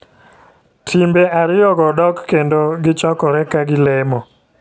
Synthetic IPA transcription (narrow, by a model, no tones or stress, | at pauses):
tʰimbeʔaɾɪjɔɡɔdɔkːendoɡɪt͡ʃɔkɔɾɛkaɡɪlɛmɔ